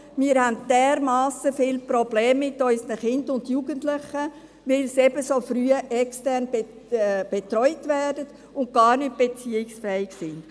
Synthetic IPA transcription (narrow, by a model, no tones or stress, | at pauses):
miːɾhændd̥ɛːɾmaɑːsəfɪlprɔbleːmːɪtɔʏsənəχɪndʊndjuɡəntlɪχə | ʋɪlsɛbəsofryːəʔɛkstɛɾnb | b̥etrɔʏtʋɛːdət | ʊnt̚ɡ̥ɑːɾnʏt̚b̥et͡siːɪksfɛːɪksɪnd̥